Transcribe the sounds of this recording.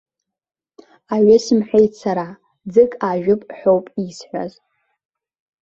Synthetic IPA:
aɥasɨmħʷᶣejtʰsaɾa | d͡zɨkʼaʒᶣʊpʼħʷᶣowpʼisħʷa̰z

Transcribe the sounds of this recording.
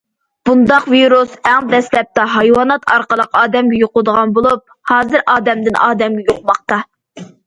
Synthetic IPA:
b̥und̪ɑqviɾusɛŋd̪ɛslɛp̚t̪ɑɦɑjwɑnɑt̪ʰɑɾqəlˠəqɑːd̪ɛmɡʲɛjoqld̪əʁɑnbolˠup̚ | hɑːzɨɾʔɑːd̪ɛmd̪ɪnʔɑːd̪ɛmɡʲɛjoqmɑχ̚t̪ɑ

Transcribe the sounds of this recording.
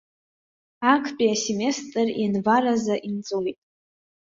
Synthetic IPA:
akʰpʼiaseme̞stʼrinvaɾazaʔint͡sʼojtʼ

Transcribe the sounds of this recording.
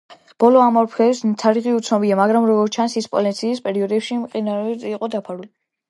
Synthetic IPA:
b̥ɔlɔamɔɾpʰɛsmt̪ʰaɾiʁiut̪sʰnɔbiamaɡɾamɾɔɡɔɾt͡ʃʰansispʼɔ̰lint̪sʰiːspʼɛɾiɔd̪ɛpʃimqʼinaɾt̪ʼːqʼɔd̪apʰaɾuli

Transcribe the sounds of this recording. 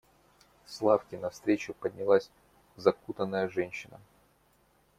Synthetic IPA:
slˠafkʲɪnɐfst̪ɾʲet͡ɕʊpədʲnʲɪlˠasʲ | zɐkut̪ənːəjəʐɛnʲɕːɪnə̰

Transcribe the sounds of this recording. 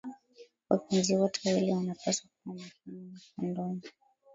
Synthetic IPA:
wapɛnziwɔtʰɛwilɛwanapasakuamakananakandɔni

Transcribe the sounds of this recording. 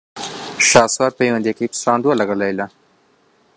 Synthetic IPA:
ʃɑswaɾpəjwand̪ekipsɑnd̪walaɡəlajla

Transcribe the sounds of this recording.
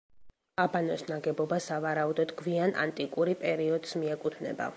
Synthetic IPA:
abanɔsnaɡɛbɔbasavaɾaud̪ɔd̪ɡviana̰nt̪ʼikʼuɾipʼɛɾiɔd̪smiɛkʼut̪ʰnɛ̰ba̰

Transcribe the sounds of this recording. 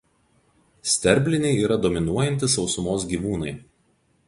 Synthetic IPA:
sʲt̪ʲɛɾʲbʲlʲɪnʲɛɪiːɾɐd̪ɔmʲɪnuɔjɛnʲt̪ʲɪsɒʊsʊmoːs̬ɡʲiːʋuːnɐɪ

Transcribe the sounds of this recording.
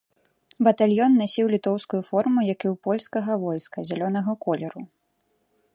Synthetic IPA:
bɐt̪alʲjɔnːasʲiwlʲit̪ɔwskujufɔrmujakiwpɔlʲskɐɣɐvɔjskɐzʲalʲɔnɐɣɐkɔlʲɛɾu

